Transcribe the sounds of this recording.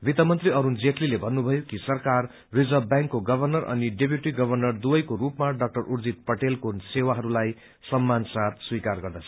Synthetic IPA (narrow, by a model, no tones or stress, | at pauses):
bit̪ʌmʌnt̪riʌɾund͡zeʈlilebʱʌnːubʱʌjokisʌrkar | rid͡zʌbbjãŋkːoɡʌbʱʌrnʌrʌ̰niɖepjuʈiɡʌbʱʌrnʌrd̪ubʌjkoɾupmaɖʌk̚ʈʌrʔurd͡zit̪̚pʌʈelkosewaɦʌɾulaj | sʌmːansat̪swikarɡʌrd̪at͡sʰʌ